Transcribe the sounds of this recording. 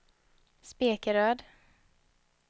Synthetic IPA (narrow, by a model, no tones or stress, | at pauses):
speːkəɾøːd̪